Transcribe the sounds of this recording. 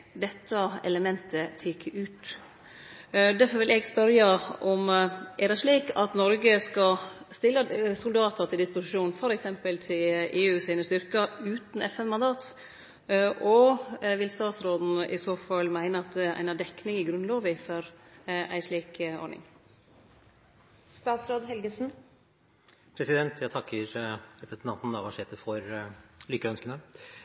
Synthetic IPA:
d̪ɛt̪ʰːəɛ̰ləmɛnt̪ʰət̪ʰɪkʰːəʔʉːt̪ | d̪æɾfɔɾʋɪlɛɡspœɾjəʔɔmʔɛd̪ɛʂɭiːkɑt̪nɔɾɡəskɑst̪ɪlːəsʊld̪ɑːt̪ʰət̪ʰɪld̪ɪspʊsɪʂuːnfɔɾɛksɛmpəlt̪ʰɪleːʉːsiːnəst̪ʏɾkəʉːt̪n̩ɛfɛnmɑnd̪ɑːt̪ | ʔɔʋɪlst̪ɑːt̪sɾoːd̪n̩ʔɪsoːfɑlːmæɪnəɑt̪̚d̪ɛæ̰ɪnæɖɛkːnɪŋɪɡɾʉnloːʋɪfɔɾæ̰ɪʂɭiːkɔ̰ɳɪ̰ŋ | st̪ɑːt̪sɾoːd̪ɦɛlɡəsn̩ | pʰɾɛsɪd̪ɛnt̪ʰjæt̪ʰɑkːəɾɾɛpɾəsn̩t̪ʰɑnt̪n̩ɑʋɑʂeːt̪əfɔɾlʏkːəœnskənə

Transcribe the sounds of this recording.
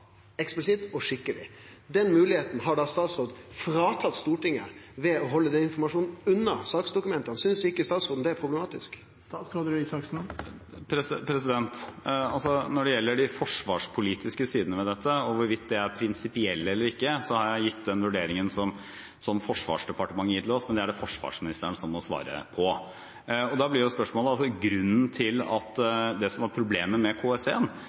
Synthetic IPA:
ɛksplɪsɪt̪ɔʂɪkːəlɪ̰ | d̪ɛnmʉːlɪheːt̪n̩ɦɑɖɑst̪ɑːt̪sɾoːd̪fɾɑːt̪ʰɑt̪st̪uːʈɪŋːə̰ʋɛɔɦɔlːəd̪ɛnɪnfɔɾmɑʂuːnn̩ʉnːəsɑːksd̪ʊkʉmɛnt̪əɑnsʏnsʋɪkːəst̪ɑːt̪sɾoːd̪n̩d̪ɛæɾpʰɾʊblɛmɑːt̪ɪsk̪ː | sɾoːd̪sɑks | pʰɾɛspʰɾɛsɪd̪ɛnt̪ɑlsɔnɔɖɛjɛlːəɖɪfɔʂʋɑːʂpʰʊliːt̪ɪskəsiːd̪ənəmɛd̪ɛt̪ʰːəɔʋʊɾʋɪt̪̚d̪ɛæɾpʰɾɪnsɪpɪɛlːəɛlːəɾɪkːəsɔhɑɾjæɪjɪt̪ːd̪ɛnʋʉɖeːɾɪŋənsɔm | sɔmfɔʂʋɑ̰ːʂd̪ɛpɑʈəmɑŋːəjɪːt̪ʰlɔsmɛnd̪ɛæɖɛfɔʂʋɑ̰ːʂmɪnɪst̪əɳəsɔmːɔsʋɑ̰ːɾə̰pʰɔ | ɔd̪ɑblɪɾjʊspœʂmoːləɑlsɔɡɾʉnːnt̪ʰɪlɑt̪ːd̪ɛsɔmæɾpʰɾʊbleːməmɛkʰoːɛseːən

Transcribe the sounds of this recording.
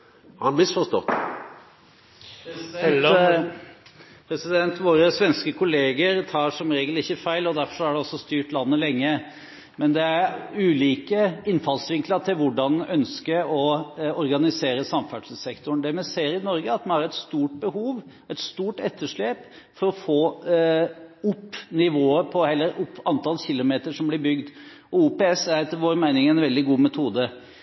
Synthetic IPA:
hɑhɑnmɪsfɔʂt̪ɔ̰t̪ː | pʰɾɛsɪd̪ɛnt̪ʋoːɾəsʋɛnskəkʰʊleːɡəɾt̪ʰɑːʂɔmɾeːɡəlɪçːəfæɪlɔd̪æɾfɔʂɔæɖɛɔsːɔst̪yːʈlɑnːəlɛŋːə | mɛnd̪ɛæɾʉːliːkəɪnːfɑlsʋɪŋkləɾt̪ʰɪlʋʊɖɑnœnskəɾɔɔɾɡɑnɪseːɾəsɑmfæɖʂəsɛkt̪ʊɳ̩d̪æɾmɛseːɾɪnɔɾɡəɑt̪mɑnhɑɾɛt̪st̪uːʈ̚bəhuːʋ | ɛɪt̪st̪uːʈɛt̪ʰːəʂɭeːp | fɔɾɔfoː | ʊpːnɪʋoːəpʰɔhɛlːəɾʊpːɑnt̪ʰɑlçɪlːʊmeːt̪əʂɔmblɪbʏɡd̪ | ɔuːpeɛsæɾt̪ʰɪʋoːɾmæɪnɪŋɛnʋɛld̪ɪɡuːmɛt̪ʰuːd̪ə

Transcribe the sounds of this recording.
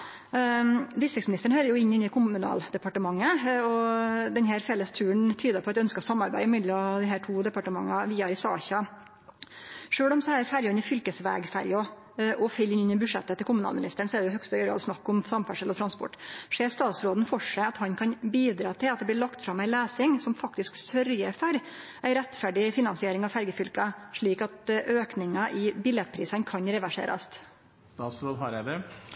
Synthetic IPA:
b̪ɪsɪksmɪnɪst̪əɳ̩høːɾəjʊɪɲːɪnːɪkʰʊmʉnɑ̰ːld̪ɛpɑʈəmɑŋːəɔd̪ɛnɦæːɾfɛlːəst̪ʰʉːəɳt̪ʰyːd̪əpʰɔɑt̪jɛœnskəɾsɑmːɑɾbæɪɪmɪd̪lɑd̪ɪɦæːʈʰuːd̪ɛpɑʈəmɑ̰ŋːɑʋiːɑɾɪsɑ̰ːçɑ | ʂøːɭɔmsɔæːɾfæɾjɔɪnɪfʏlkəsʋæ̰ːɡfæ̰ɾjɔ | ʔɔfɛlːɪnɪnːəbʉʂɛ̰t̪ːət̪ɪlkʰʊmʉnɑ̰lmɪnɪst̪əɳsɔɛɖɛjʊhœkst̪ːɾɑ̰lsnɑkːɔmfɾɑmfæʂəlɔt̪ʰɾɑnspɔ̰ʈːʂeːst̪ɑːt̪sɾoːd̪n̩fɔʂæɪɑt̪hɑnkʰɑnbiːd̪ɾɑːt̪ʰɪlɑt̪̚d̪ɛblɪɭɑkt̪fɾɑmæɪleːsɪŋsɔmfɑk̚t̪ɪsksœɾjəfɔɾ | ʔæɪɾɛt̪ːfæɖɪfɪnɑnsɪeːɾɪŋɑʋfæɾɡəfʏlkəʂɭiːkɑt̪ʔøːknɪŋɑʔɪbɪljɛt̪̚pʰɾiːsənkʰɑnɾɛʋæʂḛːɾʔɑ̰st̪ | st̪ɑːt̪sɾoːd̪ɑɾæd̪ɛ

